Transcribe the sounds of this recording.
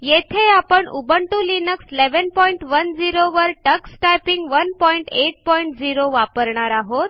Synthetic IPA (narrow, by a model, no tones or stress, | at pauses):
jet̪ʰeapəɳṵbəɳʈulinəksleʋənpɔiɳʈʋənd͡ziɾoʋəɾʈəksʈajpiŋɡʋənpɔiɳʈeʈ̚pɔiɳʈd͡ziɾoʋapəɾɳaɾaɦot̪